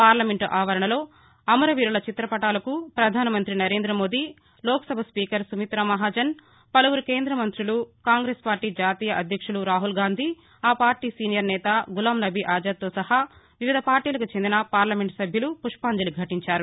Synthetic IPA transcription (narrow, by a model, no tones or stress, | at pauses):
paːɾlɐmeɳʈʔaːʋɐɾɐɳɐlo̞ː | ɐmɐɾɐʋiːɾulɐt͡ʃit̪ɾɐpɐʈaːlɐkupɾɐd̪ʱaːnɐmɐnt̪ɾinɐɾe̞ːnd̪ɾɐmo̞ːd̪i | lɔːkɐ̥sɐbʱɐspiːkɐɾsumit̪ɾɐmɐɦaːd͡ʒɐn | pɐlɐwuɾukeːnd̪ɾɐmɐnt̪ɾilukaːŋɡɾeːspaːɾʈːiːd͡ʒaːt̪iːjɐʔɐd̪ʱjɐkʂuluɾaːɦulɡaːnd̪ʱi | aːpaːɾʈiːsiːnijɐɾnɛːt̪aɡulaːmnɐbʱiʔaːd͡ʒɐt̪ːoːsɐɦa | ʋiʋid̪ʱɐpaːɾʈiːlɐkut͡ʃend̪inɐpaːɾlɐme̞ɳʈsɐbʱjɐlupuʂpaːɲd͡ʒɐluɡʱɐʈiɲt͡ʃaːɾu